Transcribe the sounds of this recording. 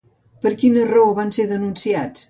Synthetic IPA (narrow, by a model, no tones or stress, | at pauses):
pəɾkinəroβanseðənunsiat͡s